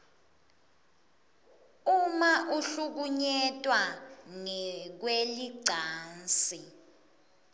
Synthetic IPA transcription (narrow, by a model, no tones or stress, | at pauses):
umaʔuɬuk̬uɲɛtʼwaŋɛk̬weliɡ͡ǀʱaːnt͡si